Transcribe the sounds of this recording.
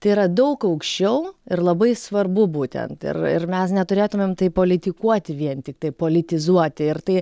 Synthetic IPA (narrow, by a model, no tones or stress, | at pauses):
t̪ɐɪiɾɐd̪ɐʊkɐʊkʃʲt͡ʃʲɛʊɪɾlˠɐbɐɪsʋɐrbʊbuːt̪ʲɛ̰nt̪ɪ̰rɪ̰rmʲɛsnʲɛt̪ʊɾʲeːt̪ʊmʲeːmt̪ɐɪpoːlʲɪt̪ʲɪkuɔt̪ʲɪʋʲiɛnt̪ʲɪk̚t̪ɐɪpoːlʲɪt̪ʲɪzuɔt̪ʲɪɪɾt̪ɐɪ